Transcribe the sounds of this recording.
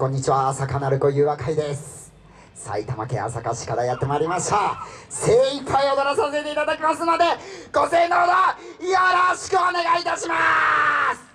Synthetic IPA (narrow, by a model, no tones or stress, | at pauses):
kõ̞ɲ̟ːit͡ɕiβaːsakanaɾɯ̟ko̞jɯ̟ːβakaid̪e̞sɨ̥ | sa̰it̪ama̰kẽ̞̰a̰sakaɕi̥kad̪ajat̪ːe̞maːɾʲimaɕi̥t̪aseːipʰːaio̞d̪oɾasase̞t̪e̞it̪ad̪akʲimasɨno̞d̪e̞ɡ̥o̞se̞ːnood̪ajaɾoɕi̥kɯ̟one̞ɡait̪aɕima | sɨ̥